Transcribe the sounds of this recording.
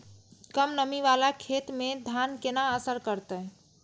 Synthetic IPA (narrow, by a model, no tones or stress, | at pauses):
kəmnəmiʋalakʰet̪med̪ʱjankenaəsəɾkəɾt̪ə